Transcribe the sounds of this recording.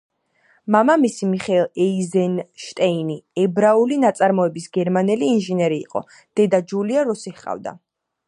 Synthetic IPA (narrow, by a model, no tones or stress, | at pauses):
mamamisimiχɛɛlˠɛizɛnʃt̪ʼɛiniɛbɾaulinat̪sʼaɾmɔɛbisɡɛɾmanɛliːnʒinɛɾḭːqʼɔ̰ | d̪̥ɛd̪ad͡ʒuliaɾɔsihqʼa̰vd̪a̰